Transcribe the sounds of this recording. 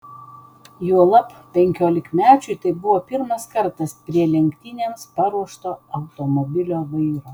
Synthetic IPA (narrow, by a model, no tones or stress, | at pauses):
juɔlˠɐppʲɛŋʲkʲoːlʲɪkmʲæːt͡ʃʲʊɪt̪ɐɪbʊʋoːpʲɪɾmɐskɐɾt̪ɐspʲɾʲiɛlʲɛŋʲkt̪ʲiːnʲeːmspɑɾuɔʃt̪oːɐʊt̪omobʲɪlʲoːʋɐɪɾoː